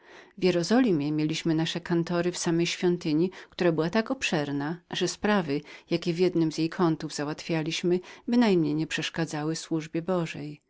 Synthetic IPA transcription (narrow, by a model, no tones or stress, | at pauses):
vʲjɛɾɔzɔlʲimʲjɛmʲjelʲiɕmɘnaʂɛkant̪ɔɾɘfsamɛjɕfʲjɔnt̪ɘɲikt̪uɾabɘwat̪akɔpʂɛɾnaʐɛspɾavɘjakʲɛvjɛd̪nɘmzʲjejkʰɔnt̪uvzawat̪fʲjalʲiɕmɘbɘnajmɲejɲɛpʂɛʂkad̪zawɘswuʐbʲjɛbɔʐɛj